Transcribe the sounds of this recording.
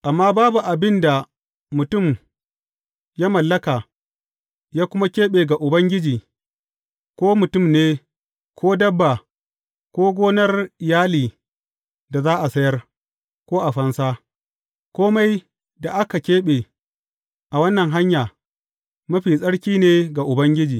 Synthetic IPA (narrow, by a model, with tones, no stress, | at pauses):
ʔa˨mːaː˦baː˦bu˨ʔa˨bɪ˦nda˨ | mʊ˨tʊ˦˨m | jaː˦mɐ˨lːɐ˦kaː˨ | jaː˦kʷʊ˦ma˦kʲeː˦ɓeː˨ɡa˨ʔʊ˨bɐ˦ŋɡʲɪ˦d͡ʒiː˨ | kʷoː˦mʊ˨tʊ˦˨mneː˦ | kʷʰoː˦dɐ˦bːa˨ | kʷoː˦ɡʷoː˦nɐ˦rɪ˨jaː˦liː˨ | da˨zaː˦ʔa˨sɐ˦jɐ˦r | kʷoː˦ʔa˨ɸɐ˦nsaː˦ | kʷoː˦ma˦j | da˨ʔa˦ka˨kʲeː˦ɓeː˨ | ʔa˨wɐ˦nːɐ˨ŋɦa˦ɲjaː˨ | mɐ˦ɸiː˨sʼɐ˦ɽkʲiː˦neː˨ɡa˨ʔʊ˨bɐ˦ŋɡʲɪ˦d͡ʒiː˨